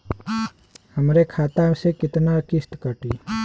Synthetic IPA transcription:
həmɾekʰaːt̪asekɪt̪nakɪst̪kəʈi

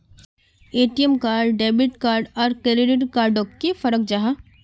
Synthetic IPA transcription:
eːʈijəmkaːɾɖɖɛːbiʈkaːɾɖɔːɾkeːɾiɖiʈkaːɾɖokːefəɾək̚d͡ʒaɦa

